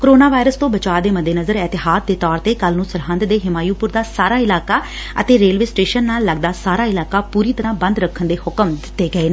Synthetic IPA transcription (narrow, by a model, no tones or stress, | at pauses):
koɾoːnaːʋaːɪɾəst̪õːbət͡ʃaːd̪eːməd̪eːnəzəɾɛːt̪ɪɦaːd̪d̪eːt̪ɔːɾt̪eːkəlnũːsəɾɦə̃nd̪d̪eːɦɪmaːjuːpʊɾd̪aːsaːɾaːɪlaːkaː | ə̰t̪eːɾeːlʋeːsʈeːʃənːaːlːəɡ̚d̪aːsaːɾaːɪlaːkaːpuːɾiːt̪əɾãːbə̃nd̪ɾəkʰːənd̪eːhʊkəmd̪ɪt̪ːeːɡəeːn